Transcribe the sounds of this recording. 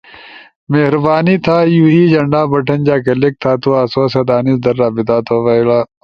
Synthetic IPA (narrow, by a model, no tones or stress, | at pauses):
meːɦɾbaːnit̪ʰaːjuːid͡ʒɐ̃ɳɖaːbɐʈʰɐnd͡ʒaːkɐlɪk̚t̪ʰaːt̪uaːsoːsɐd̪aːnisd̪ɐɾːaːbɪt̪aːt̪ʰoʋɐːilaː